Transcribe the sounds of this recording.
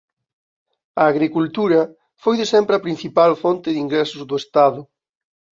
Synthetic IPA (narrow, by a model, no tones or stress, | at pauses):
ɐːɣɾikult̪uɾɐ | fojðɪsɛmpɾɪɐpɾĩn̟θipalfont̪ɪðiŋɡɾɛsʊzðʊest̪aðʊ